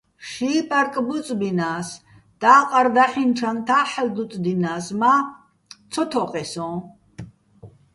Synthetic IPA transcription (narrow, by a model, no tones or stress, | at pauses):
ʃiːpʼaɾkʼbut͡sʼbinaːs | d̪̥aːqʼaɾd̪aħint͡ʃʰant̪ʰaħɛld̪ut̪ʼd̪inaːsma | t̪t͡sʰɔt̪ʰɔqʼɛsɔ̃